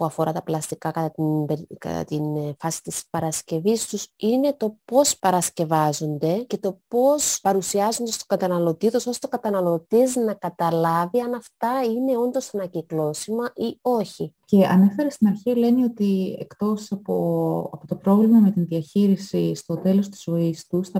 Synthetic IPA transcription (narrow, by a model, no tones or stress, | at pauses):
puɐfo̞ɾɐt̪ɐplɐst̪ikɐkɐɐnbekɐ̰t̪ɐ̰t̪infɐsi̥t̪ispɐɾɐsce̞vist̪usine̞t̪o̞po̞spɐɾɐsce̞vɐzo̞nd̪e̞ce̞t̪o̞po̞spɐɾusiɐzond̪est̪okɐt̪ɐnɐlo̞t̪it̪oso̞st̪o̞kɐt̪ɐnɐlo̞t̪iznɐkɐt̪ɐlɐviɐnɐft̪ɐine̞o̞nd̪o̞sɐnɐciklo̞simɐʔio̞çice̞ɐ̰ne̞fe̞ɾɐst̪inɐɾçiɐle̞nio̞t̪ie̞̰kt̪o̞sɐpoɐpo̞t̪o̞pɾo̞vlimɐme̞t̪inðiɐçiɾisist̪o̞t̪e̞lo̞st̪i̥zvo̞ist̪usθɐ